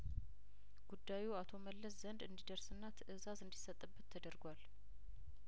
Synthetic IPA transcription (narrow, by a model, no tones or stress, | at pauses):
ɡ̥ud̪ːajuat̪ʰo̞məlːəszənd̪ɨnd̪id̪əɾsɨnːat̪ʰʔɨzazɨnd̪isət̪ʼːɨbːɨt̪ʰːəd̪əɾɡʷal